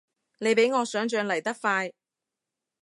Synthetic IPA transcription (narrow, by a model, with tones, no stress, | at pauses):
ne˨˧jpe˨˥jŋɔː˨˧sœː˨˥ŋt͡ʃœː˧ŋlɐ˨˩jt̪ɐ˥k̚faː˧j